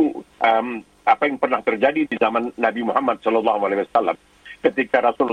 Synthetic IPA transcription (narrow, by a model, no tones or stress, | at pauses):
uʔəm | ʔapajaŋpərnaht̪ərd͡ʒadidizamanːabimuɦamːat̪̚sɔlɔlːɑhumalaiwasalːa̰m | kət̪ikaɾasʊl